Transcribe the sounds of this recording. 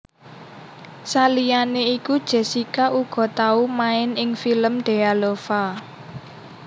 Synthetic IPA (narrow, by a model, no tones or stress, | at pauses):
salijaneikud̥ʒ̥e̤sikaʔuɡ̥ɔ̤t̪aumaɪnɪŋfiləmɖ̪̥e̤alofa